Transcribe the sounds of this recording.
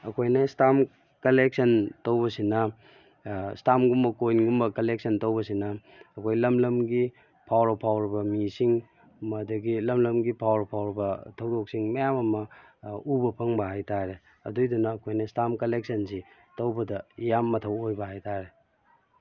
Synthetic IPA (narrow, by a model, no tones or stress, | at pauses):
ɐkʰojnɐstam | kɐlek̚sɐntɐwbɐsinɐ | stamɡumbɐkojnɡumbɐkɐlek̚sɐntɐwbɐsinɐː | kʰojlɐmlɐmɡi | pʰawɾopʰawɾibɐmisiŋ | mɐdɐɡilɐmlɐmɡipʰawɾpʰawɾibɐtʰɐwdok̚siŋmɐjamɐmɐubɐpʰɐŋbɐɦajtaɾe | ɐ̰dujdunɐːkʰojnɐstamkɐlek̚sɐnsi | tɐwbɐdɐjamːɐtʰɐwojbɐɦajtaɾe